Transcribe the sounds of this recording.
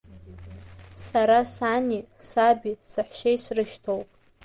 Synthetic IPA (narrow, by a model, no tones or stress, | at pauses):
saɾasani | sabisɨħʷʃejsrɨʃtʰowpʼ